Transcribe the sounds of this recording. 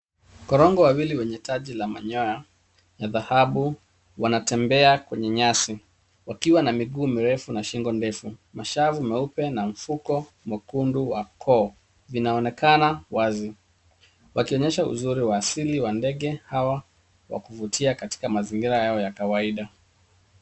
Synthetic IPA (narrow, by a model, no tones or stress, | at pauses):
kɔɾɔŋɡɔwawiliwɛɲɛtʰaʄilamaɲɔja | jaðahaɓu | wanatɛmbɛakwɛɲɛɲasi | wakiwanamiɠuːmiɾɛfunaʃiŋɡɔndɛfumaʃavumɛupɛnaɱ̩fukɔ | makunduwakʰɔː | vinaɔnɛkanawazi | wʔakiɔɲɛʃaṵzuɾiwaːsiliwandɛɠɛhawa | wa̰kuvutʰiakati̥kamaziŋɡiɾajaɔjakawaiɗa